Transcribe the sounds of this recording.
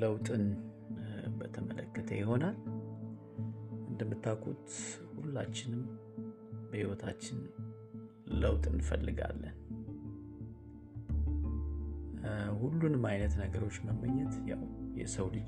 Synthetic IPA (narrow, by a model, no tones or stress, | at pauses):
ləwt̪ʼɨn | bət̪ʰəmələkːət̪ʰəjɪho̞nal | ʔɨnd̪əmːɨt̪ʰːakʰːṵt̪ | hulːa̰t͡ʃːɪnɨm | bəhiwɔt̪ʰat͡ʃːɪn | ləwt̪ʼɨ̰nfəlːɨɡa̰lːən | hulːunɨmajnət̪nəɡəɾo̞t͡ʃːməmːəɲːɛt̪jawjɛ̰səwlɨ